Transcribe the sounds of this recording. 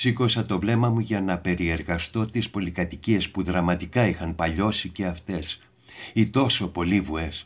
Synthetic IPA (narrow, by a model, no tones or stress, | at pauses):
siko̞sɐt̪o̞vle̞mɐmuʝɐnɐpe̞ɾie̞ɾɣɐst̪o̞t̪ispo̞likɐt̪iciespuðɾɐmɐt̪ikɐixɐnpɐʎo̞sice̞ɐft̪e̞s | it̪o̞so̞po̞livue̞s